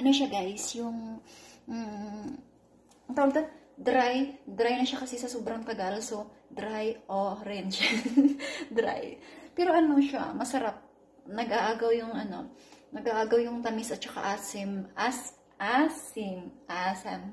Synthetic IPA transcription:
ʔɐnoʃaɡajsjʊŋ̩ | ŋt̪ɐwɐɡ̚d̪ɐ | d̪ɾajd̪ɾajnɐʃakɐsɛsɐsoːbɾɐŋt̪ɐɡalso | d̪ɾajʔoɾɛnd͡ʒ | d̪ɾa̰jpɛːɾo̞ʔɐnoʃa̰mɐsɐɾap̚ | nɐɡʔaʔaːɡɐwjʊŋʔɐno̞̰nɐɡʔaːʔaːɡɐwjʊŋt̪ɐmisʔɐt̪̚t͡ʃɐka̰ʔasɪmʔas | ʔasɪmʔasɐm

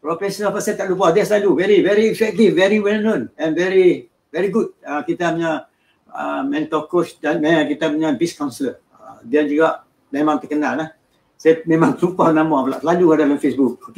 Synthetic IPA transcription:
pɾofɛsɔnəlpasajat̪aʔlup̬adiaslaluvɛɾivɛɾiifɛk̚t̪ifvɛɾiwɛlnõnɛ̃nvɛɾi | vɛɾiɡut̚əkit̪apəɲa | ə̰mɛ̃nt̪okosdanmɛ̃kit̪apəɲãbiskawnsələ | ədiand͡ʒuɡaʔ | mẽmãŋt̪əkənalah | sajamẽmãŋt̪upanamaapala̰ʔslaluadalamfesbuk̚

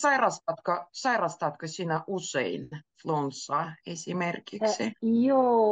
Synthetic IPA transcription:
sɑirɑst̪ɑt̪kɑsɑirɑst̪ɑt̪kɑsiːnæʔusḛinflonsːɑːesʲimerkiksijoː

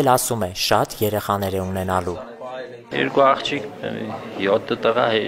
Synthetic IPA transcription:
lɑsumɛʃɑt̪jɛɾɛχɑnɛɾɛun̪ɛnɑlu | jɛ̰ɾkuɑχt͡ʃʰik | jɔt̪ʰːət̪əʁɑ̰hɛ

